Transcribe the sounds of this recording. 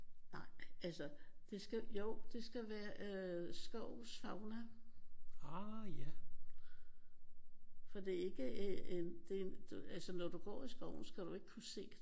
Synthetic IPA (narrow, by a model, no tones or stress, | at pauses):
nɑ̈ɪ̰ælsəd̥e̝sɡ̥æjoʊ̰d̥e̝sɡ̥æʋæːɐʔsɡ̥ɒʊsfɑ̈ʊnæ | ɑjæ | fɒ̽d̥e̝æɐe̝ɡ̥əʔeend̥e̝d̥uælsənɒd̥uɡ̥ɒ̰ːisɡ̥ɒʊ̰n̩sɡ̥æɾ̥ue̝ɡ̥ə̥kʰuse̝̰̥ː